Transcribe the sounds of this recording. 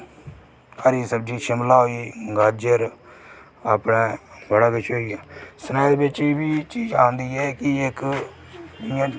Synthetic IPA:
əɾiːsəb̚d͡ʒiːʃɪmlaːɦoiːɡaːd͡ʒəɾ | aːpɽeːbəɽaːkɪt͡ʃʰɦoːiːaːsənaːjd̪eːbɪt͡ʃːbiːt͡ʃiːd͡ʒaːnd̪iːɛːkɪɪk | d͡ʒɪãː

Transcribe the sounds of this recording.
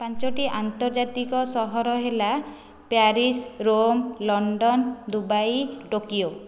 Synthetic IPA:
pãnt͡ʃɔʈiʔant̪ɔɾd͡ʒat̪ikɔsɔɦɔɾɔɦela | paɾisɾomlɔɳɖɔnd̪ubajʈokio

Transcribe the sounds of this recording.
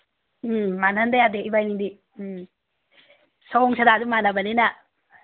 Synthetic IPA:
manandajadeʔibajniŋdi | saŋsʰɐdadumanɐbɐninɐ

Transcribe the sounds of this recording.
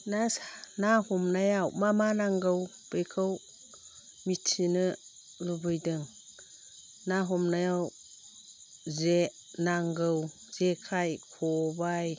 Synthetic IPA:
nasnahɔmnajawmamanaŋɡɯw | pɯjkʰɯw | mitʰinɯ | lubɯjdɯŋ | naɦɔmnajaw | ze | naŋɡɯw | z̥ekʰajkʰɔbaj

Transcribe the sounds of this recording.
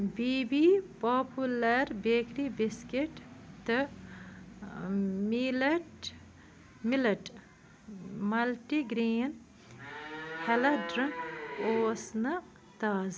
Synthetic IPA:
bibipoːpulɐɾbekɾibiskeʈt̪ɨ | milɐʈ | milɐʈ | mɐlʈiɡɾiːn | helɐɖɾiŋkoːsnɐ | t̪aːz

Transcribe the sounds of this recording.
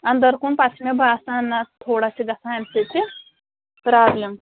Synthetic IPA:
and̪əɾkuːnpat͡sʰmebʱasanːat̪ʰoɽasiɡɐsãɛmset͡se | pɾablem

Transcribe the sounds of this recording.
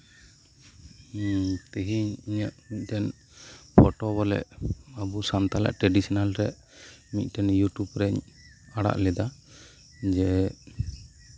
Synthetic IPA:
t̪əɦiɲiɲaʔmit̪̚ˀtɛn | pʰɔʈɔbɔlɛ̰ʔabusant̪ala̰ʔʈɾɛɖisinalɾɛʔ | mit̪̚ˀʈɛnjuʈjubɾɛɲaɽa̰ʔlɛd̪a | d͡ʒɛ

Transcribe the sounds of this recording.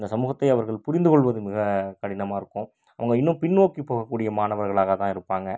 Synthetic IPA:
ɪnd̪ɐsɐmuːɣɐt̪ːɐɪɐʋɐɾɣɐɭpʊɾɪnd̪ɯkɔɭʋɐðɯmɪɣɐkɐɽɪnɐmaːɪɾɯkːʊ̃ | ɐʋɐŋɡɐɪnːʊ̃pɪnʋoːkipːoːɣɐkːuːɽɪjɐmaːnɐʋɐɾɣɐɭaːɣɐt̪ãːɪɾɯpːaːŋɡɐ

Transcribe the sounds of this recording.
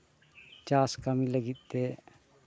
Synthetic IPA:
t͡ʃaːskəmiləɡit̪̚t̪e

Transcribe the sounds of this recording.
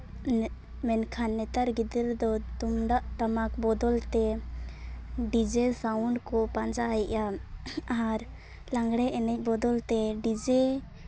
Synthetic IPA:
mɛnkʰanːɛt̪aɾɡid̪ɛɾd̪ɔt̪umɖaʔt̪amakbɔd̪ɔlt̪ɛ | ɖid͡ʒɛsawɳɖkɔpaɲd͡ʒajɛʔa | aɾ | lãŋɡɽɛɛnɛc̚ˀbɔd̪ɔlt̪ɛɖid͡ʒɛ

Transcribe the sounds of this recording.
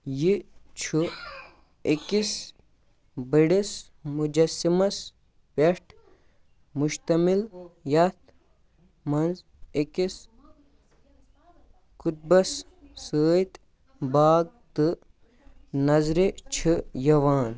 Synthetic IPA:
jit͡ʃʰu | ikis | bəɽis | mud͡ʒɐsimɐs | peʂʈʰ | muʃt̪ɐmiljɐt̪ | mɐnz | ikis | kut̪̚bɐs | səːt̪ | baːɡ̚t̪ɨ | nɐzɾet͡ʃʰijɐʋaːn

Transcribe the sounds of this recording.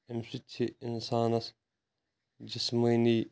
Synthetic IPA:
emsit͡ɕʰiɪnsaːnɐs | d͡ʑismiːniː

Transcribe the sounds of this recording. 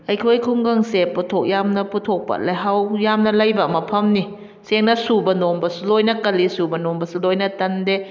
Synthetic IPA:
ʔajkʰojkʰoŋɡaŋsepːɔt̪ʰok̚jaːmnaput̪ʰok̚pa̰t̪̚laɦawjaːmnalajbamapʰamni | sɛŋnasuːbanombasulojnakalisuːbanombasulojnat̪ande

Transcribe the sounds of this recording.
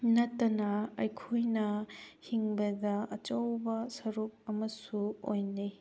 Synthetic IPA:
nɐtːɐnɐɐjkʰojnɐhiŋbɐdɐɐt͡ʃɐwbɐsɐɾuk̚ɐmɐsuo̰jni

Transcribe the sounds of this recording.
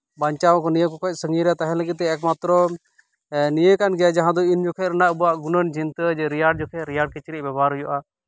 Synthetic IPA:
baɲt͡ʃawkɔnijəkɔkɔc̚ˀsəŋɡiɾɛjat̪aɦɛ̃ləɡit̪ːɛɛkmat̪ɾɔ | nijəkanɡɛjad͡ʒaɦãd̪ɔind͡ʒɔkʰɛɾɛnaʔubɔaʔɡunənd͡ʒint̪əd͡ʒɛɾijaɖ̚d͡ʒɔkʰɛɾijaɖ̚kɛt͡ʃɾibɛbaɾɦɔjɔʔa

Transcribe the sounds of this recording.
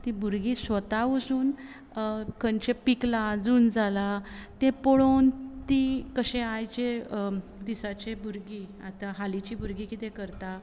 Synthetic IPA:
t̪ĩbʱuɾɡiːsʋət̪aʋusuːn | kʰəɳt͡ɕepiklad͡zuːnd͡zalat̪ẽpɔɽont̪ikəɕẽajt͡ɕe | d̪isat͡ɕebʱuɾɡiat̪aɦalit͡ɕiːbʱuɾɡikit̪ẽkəɾt̪a

